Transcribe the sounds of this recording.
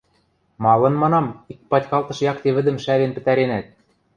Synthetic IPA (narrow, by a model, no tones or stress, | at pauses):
mɑlɤ̆nmɑnɑmik̚pɑtʲkɑlˠt̪ɤ̆ʃjɑkt̪eβɘ̆d̪ɘ̆mʃæβenpɘ̆t̪æɾenæt̪̚